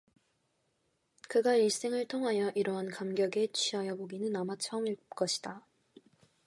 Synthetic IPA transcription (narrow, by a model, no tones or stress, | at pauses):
kɯɡaiɭs͈e̞ŋɯɭtʰoŋɦajʌʔiɾʌɦankamɡjʌɡe̞t͡ɕʰɥiɦajʌboɡinɯnamat͡ɕʰʌmiɭk͈ʌɕʰi̥d̥a